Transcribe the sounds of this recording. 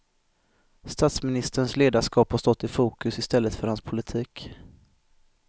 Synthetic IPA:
st̪aːt̪smɪnɪst̪əɾənsleːd̪aʂkɑːphaʂst̪ɔt̪ːɪfuːkɵsɪst̪ɛlːət̪fœɾhanspʰʊlɪt̪ʰiːk

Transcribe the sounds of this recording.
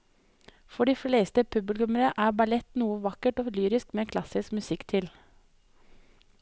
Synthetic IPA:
fɔɖiːfleːst̪əpʰʉbɪlkʉməɾəʔæːbɑlɛt̪nuːəʋɑkəʈoːlyːɾɪskmeːkʰlɑsɪskmʉsɪkt̪ʰɪl

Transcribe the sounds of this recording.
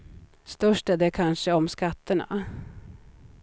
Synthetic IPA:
st̪œʂʈæɖɛkʰanʂəɔmskat̪ːəɳa̰

